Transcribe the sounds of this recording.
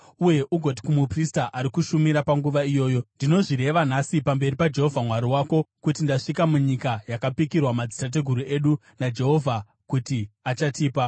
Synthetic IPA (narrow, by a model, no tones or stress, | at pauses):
uje̞ʔuɡʱo̞t̬i̥kumupristaʔaɾikuʃumiɾapaŋɡuʋaijo̞ːjo̞ndino̞ʐiɾe̞ʋanasipambe̞ɾipad͡ʒe̞ɦo̞vʱamwaɾiwaːko̞kutindaʂikamuɲikajakapikirwamad͡zitat̬e̞ɡʱuɾue̞ɗu | nad͡ʒe̞ɦo̞vʱa | kutiat͡ʃatiːpa